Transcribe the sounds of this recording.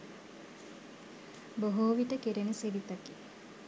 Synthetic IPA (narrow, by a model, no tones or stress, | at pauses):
boɦoːʋiʈəkiɾenəsiɾit̪aki